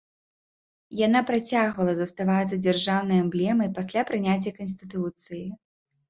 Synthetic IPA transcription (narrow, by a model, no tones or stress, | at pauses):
janapɾat͡sʲaɣvɐlˠɐzɐst̪avat̪sːɐd͡zʲarʐawnɐjɛmblʲɛmɐjpasʲlʲapɾɨnʲat͡sʲjɐkɐns̬ʲt̪ɨt̪ut̪sɨji